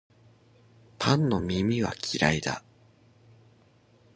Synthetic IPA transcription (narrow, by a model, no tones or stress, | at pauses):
pʰãnːo̞mʲimʲiβa̰kʲiɾaid̪a̰